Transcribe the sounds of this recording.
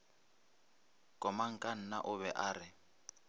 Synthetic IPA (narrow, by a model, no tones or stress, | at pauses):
kʼɔmaŋ̩kʼan̩na̰ʔʊβɛʔaːɾɪ